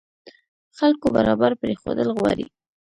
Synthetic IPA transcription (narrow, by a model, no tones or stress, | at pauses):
xalkobaɾɑbaɾpɾexod̪əlɣwaɾḭ